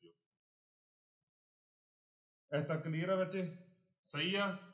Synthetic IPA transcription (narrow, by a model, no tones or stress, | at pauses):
o | ɛːt̪əkliːɾaʋɪt͡ʃe | səiːaː